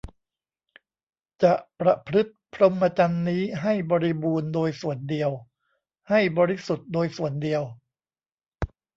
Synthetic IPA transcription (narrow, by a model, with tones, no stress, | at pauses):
t͡ɕa˨˩ʔpɾa˨˩pʰɾɯ˦˥t̪̚pʰɾo˧mpa˧t͡ɕa˧nːiː˦˥ɦa˥˩jbɔː˧ɾi˧buː˧ndoː˧jsu˨˩əndi˧əw | ha˥˩jbɔː˧ɾi˦˥su˨˩t̪̚doː˧jsu˨˩əndi˧əw